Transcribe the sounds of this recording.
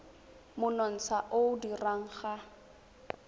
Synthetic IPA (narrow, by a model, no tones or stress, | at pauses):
mʊnɔn̩t͡sʰaʔodiraŋ̩χa